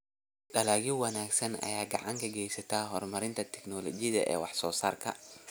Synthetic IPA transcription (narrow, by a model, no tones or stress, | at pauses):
ɗɐlaːɣɪwɑnaːɡsɐnɐ̰jaːɡɑʕɑŋkʰɐɡɛjsɐt̪ʰaːɦɔrmɐɾɪnt̪ʰɐt̪ʰɛknɔlɔt͡ʃɪðɐ̰ʔɛ̰ːwɑħsɔːsa̰ːrkʰɐ̰